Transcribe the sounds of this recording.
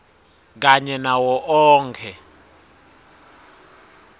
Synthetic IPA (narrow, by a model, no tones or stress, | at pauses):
k̬aɲɛnawɔʔɔːŋkʰɛ